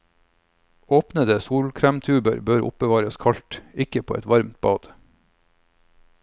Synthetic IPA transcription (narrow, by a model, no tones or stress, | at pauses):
oːpnəd̪əsuːlkʰɾæːmt̪ʰʉːbə̰ɾbøːɾʊ̰p̚bəʋɑːɾəskʰɑʎt̪ɪkəpʰoːʔɛt̪ʋɑɾmt̪̚b̥ɑ̰ːd̪̥